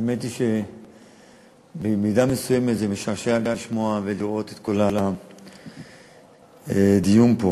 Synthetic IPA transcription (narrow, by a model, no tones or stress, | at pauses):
ajmet̪iʃe | bemid̪amesujeme̞t̪zemeʃaʁʃeaɡaliʃmoaveliʁo̞t̪et̪kolala | ed̪ijunpo